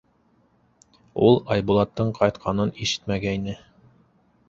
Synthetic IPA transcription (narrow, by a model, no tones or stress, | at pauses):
ulˠɑjbulˠɑt̪ːɤɴqʰɑjt̪qʰɑnɤniʃɘ̥t̪mæɡæinɘ